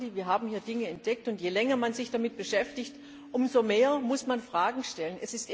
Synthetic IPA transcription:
diviːɐɦaːbm̩hiːɐdɪŋəɛnt̚d̥ɛk̚tʊntjeːlɛŋɐmanzɪçd̥amɪt̚b̥əʃɛftɪçt | ʔʊmzomeːɐmʊsmanfʁ̥aːɡŋ̩ʃtɛlənɛsɪst

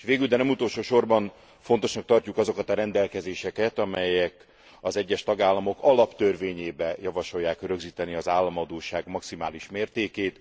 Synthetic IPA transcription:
eʃʋeːɡyld̪ɛnɛmut̪o̞lʃoːʃo̞rbɒn | fo̞nt̪o̞ʃnɒk̚t̪ɒrcukɒzo̞kɒt̪ɒɾɛnd̪ɛlkɛzeːʃɛkɛt̪ɒmɛjɛk | ɒzɛɟːɛʃt̪ɒɡaːlːɒmo̞kɒlɒpt̪ørveːɲeːbɛjɒvɒʃo̞jːaːkrøɡziːt̪ɛniɒzaːlːɒmɒd̪oːʃaːɡmɒksimaːliʃmeːrt̪eːkeːt̪

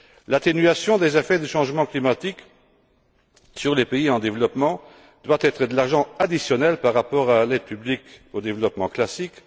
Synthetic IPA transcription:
lat̪enyasjɔ̃d̪ezefɛd̪əʃɑ̃ʒmɑ̃klimat̪ik | syʁlepeiɑ̃d̪evlɔpmɑ̃ | d̪̥wat̪ɛt̪χəd̪əlaʁʒɑ̃ad̪isjɔnɛlpaʁːapɔʁalɛd̪̚pyblikod̪evlɔpmɑ̃klasik

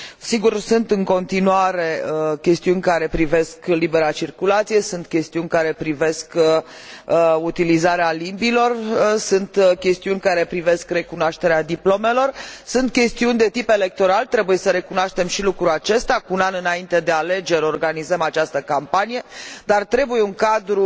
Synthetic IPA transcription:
siɡursunt̪ɨŋko̞nt̪inuaɾe̞əkʲe̞st̪iunʲkaɾe̞pɾive̞sklibe̞ɾat͡ʃirkulat̪sije̞sunt̪kʲe̞st̪iunʲkaɾe̞pɾive̞skə | əut̪ilizaɾealimbilo̞rsunt̪kʲe̞st̪iunʲkaɾe̞pɾive̞skre̞kunoaʃt̪e̞ɾead̪iplo̞me̞lo̞rsunt̪̚kʲe̞st̪iunʲd̪e̞t̪ipe̞le̞k̚t̪o̞ɾalt̪ɾe̞buje̞səɾekunaʃt̪e̞mʃilukɾuat͡ʃe̞st̪akuunanɨnaint̪e̞d̪e̞ale̞d͡ʒe̞ɾʲo̞rɡanizəmat͡ʃast̪əkampanije̞d̪art̪ɾe̞buje̞uŋkad̪ɾu

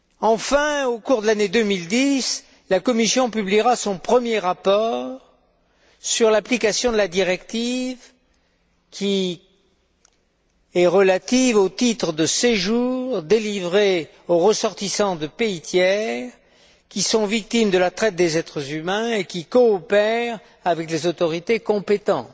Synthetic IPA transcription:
ɑ̃fɛ̃okuʁd̪əlaned̪ømild̪is | lakɔmisjɔ̃pybliʁasɔ̃pχəmjeʁapɔʁ | syʁlaplikasjɔ̃d̪əlad̪iʁɛkt̪iv | kʰʲi | ɛʁəlat̪ivot̪it̪χəd̪əseʒuʁd̪elivʁe | oʁəsɔʁt̪isɑ̃d̪əpeit̪jɛʁ | kʲisɔ̃vik̚t̪imd̪əlat̪χɛt̪̚d̪ezɛt̪χəzymɛ̃ekʲikɔːpɛʁ | avɛklezot̪ɔʁit̪ekɔ̃pet̪ɑ̃t̪

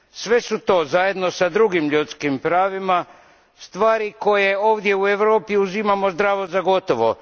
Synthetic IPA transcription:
sʋe̞sut̪o̞ːzaje̞d̪no̞sad̪ɾuɡimʎut̪skimpɾaːʋima | st̪ʋaːɾiko̞je̞o̞ːʋd̪je̞ue̞ʋɾo̞ːpiuzimamo̞zd̪ɾaːʋozaɡo̞t̪o̞ʋo̞̰

